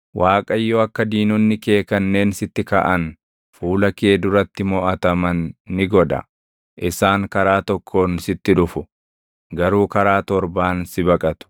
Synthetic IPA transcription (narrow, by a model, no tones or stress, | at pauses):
wʔaːkʼɐjːɔɐkːɐd̪iːnʊnːɪke̞ːkɐnːe̞ːnsɪt̪ːɪkɐ̰ʔɐn | fuːlɐkeːd̪ʊɾɐt̪ːɪmɔːʔɐt̪ɐmɐnːɪɡɔᶑ̪ɐ̰ | ʔɪsaːŋkɐɾaːt̪ɔkʰːo̞ːnsɪt̪ːɪᶑʊfʊ | ɡɐɾuːkɐɾaːt̪ɔɾbaːnsɪbɐkʼɐt̪ʊ̥